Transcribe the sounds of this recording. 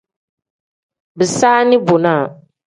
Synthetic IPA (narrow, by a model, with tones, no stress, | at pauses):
bɨ˨saː˦nɪ˦bo˨na˦˨